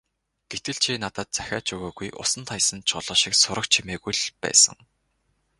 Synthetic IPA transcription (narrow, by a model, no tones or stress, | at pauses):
ɡ̥et̪ɘ̆ɮt͡ɕʰinat̪ə̆ːt̪̚t͡sæ̥xʲaːt͡ɕuɣaːɣujʔʊ̰sə̆nt̪ʰajsə̆nt͡ɕʰʊɮɞ̆ːʃĭksʊɾə̆k̚t͡ɕʰimeːɣujɮpæ̰ːsə̰̆ŋ